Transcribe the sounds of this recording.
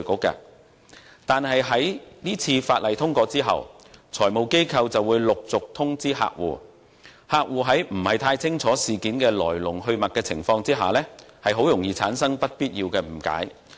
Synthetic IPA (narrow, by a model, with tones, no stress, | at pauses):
kʊ˨˥kːɐ̰ː˧ | t̪aː˨nɦɐ˨jɦɐ˨˥jniː˥t͡sʰiː˧faː˧t̚lɐ˨jt̪ʰʊ˥ŋkʷɔː˧t͡siː˥ɦɐ̰˨˩w | t͡sʰɔː˨˩jmo˨wke˥jkʰɐ˧wt͡sɐ˨wuː˨˧jlʊ˨k̚t͡sʊ˨k̚t̪ʰʊ˥ŋt͡siː˥ɦa̰ː˧k̚wṵː˨˩ | haː˧k̚wuː˨ɦɐ˨˥jm̩˨˩hɐ˨˩jt̪ʰaː˧jt͡sʰɪ˥ŋt͡sʰɔː˨˥siː˨˩kiː˨˥nkɛː˧lɔ̰ː˨˩jlʊ˨˩ŋɦɵ˧ɥmɐ˨t̚kɛː˧t͡sʰɪ̰˨˩ŋfɔː˧ŋt͡siː˥ɦa̰ː˨lɛː˥ | hɐ˨jɦo˨˥wjʊ˨˩ŋjiː˧t͡sʰaː˨˥nsɐ˥ŋpɐ˥t̚piː˥t̚jiː˧wkɛː˧m̩˨˩ka̰ː˨˥j